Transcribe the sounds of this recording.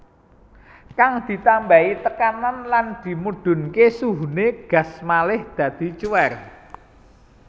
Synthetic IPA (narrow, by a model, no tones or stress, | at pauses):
kaŋd̪̥i̤t̪ambait̪əkananland̪̥i̤muɖ̪̥ʊ̤nkesuɦuneɡ̥ä̤smalɪhd̪̥ä̤d̪̥i̤t͡ʃuwɛr